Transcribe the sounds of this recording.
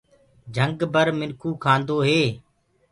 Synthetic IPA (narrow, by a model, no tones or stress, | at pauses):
d͡ʒʱəŋɡbəɾmɪnkʰuːkʰãːnd̪oːɦeː